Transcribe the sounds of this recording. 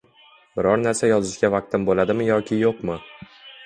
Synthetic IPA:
bɪɾɒɾnaɾsajɒzɪʃɡʲavaq̚t̪ʰɪnbolad̪ɪmɪjɒkʲʰɪjoqmɪ

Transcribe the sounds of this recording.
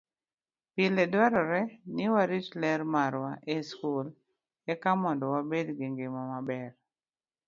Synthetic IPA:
pɪlɛdwaɾɔɾɛnɪwaɾit͡ʃlɛɾmaɾwaʔeskul | ɛkamɔndɔwabedɡeŋɡemɔmabɛr

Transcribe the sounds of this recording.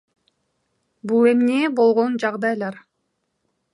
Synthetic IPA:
bulˠe̞mnebo̞lˠʁo̞nd͡ʒɑʁd̪ɑjlˠɑɾ

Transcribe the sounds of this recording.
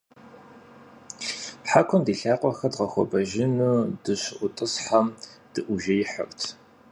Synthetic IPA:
ħakʷʰʊndiːɬaːqʷʼɔxɐdʁɐxʷɔ̰bɐʒɪnudɨɕɪʔʷʊtʼɨsħamd̥ɨʔʷʊʒɐjɪħə̰ktʰ

